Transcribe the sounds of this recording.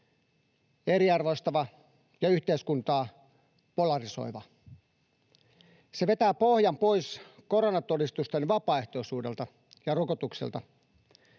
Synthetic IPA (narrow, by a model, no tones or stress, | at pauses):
eɾiɑrʋost̪ɑʋɑ | jɑyht̪eiskunt̪ɑː | polɑriso̞̰iʋɑ | seʋe̞t̪æːpo̞hjɑmpo̞isko̞ɾonɑt̪o̞dist̪ust̪enʋɑpɑːeht̪o̞isuːde̞lt̪ɑ | jɑrokot̪uksḛlt̪ɑ